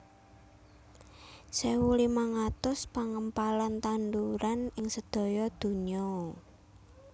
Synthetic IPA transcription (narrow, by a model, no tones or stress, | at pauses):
sewulimaŋat̪ʊspaŋəmpalant̪and̪uɾanɪŋsəd̪̥ɔ̤jɔd̪̥ṳɲɔ